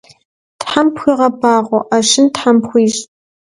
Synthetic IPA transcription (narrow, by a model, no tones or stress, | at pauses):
tħampxʷiːʁɐbaːʁʷɔʔaʃɪntħampxʷiːɕʼ